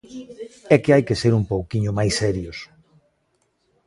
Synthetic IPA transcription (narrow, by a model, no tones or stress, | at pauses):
ɛkɪajkeseɾumpowkiɲʊmajsɛɾjos